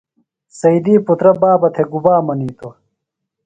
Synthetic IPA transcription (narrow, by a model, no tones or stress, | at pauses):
sɐid̪iːput̪ɾɐbaːbɐt̪ʰeɡubaːmɐniːt̪o